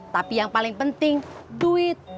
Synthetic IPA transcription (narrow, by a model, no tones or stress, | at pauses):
t̪apijaŋpalɪŋpənt̪ɪŋd̪uɪt̪̚